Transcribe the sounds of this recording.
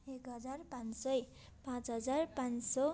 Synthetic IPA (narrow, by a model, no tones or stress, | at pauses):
ekɦʌd͡zarpãnsʌj | pãt͡sɦʌd͡zarpãnsʌ